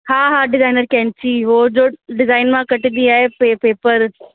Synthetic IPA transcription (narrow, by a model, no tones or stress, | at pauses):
ɦãːɦãːɖɪzaːɪnəɾkɛ̃ːnt͡ʃiːʋoːd͡ʒoːɖɪzaːɪnmãkɐʈid̪iaːɦepeːpeːpəɾ